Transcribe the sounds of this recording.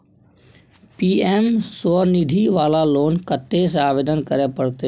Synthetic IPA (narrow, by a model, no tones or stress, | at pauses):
piːeːmsoɾnid̪ʱiʋaːlaloːnkət̪ːesaːʋeːd̪ənkəɾepəɽt̪e